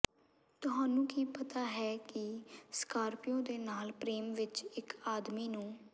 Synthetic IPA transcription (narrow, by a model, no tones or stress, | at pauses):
t̪ʊɦaːnũːkiːpət̪aːɦɛːkɪskaːɾpɪjõːd̪eːnaːlpɾeːmʋɪt͡ʃɪkaːd̪miːnũː